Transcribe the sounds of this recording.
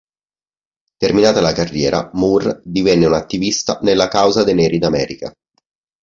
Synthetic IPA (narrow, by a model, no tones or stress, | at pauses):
t̪erminaːt̪alakarːjɛːɾa̰murd̪ivɛnːeunat̪ːivist̪anelːakawzad̪enɛːɾid̪amɛːɾika̰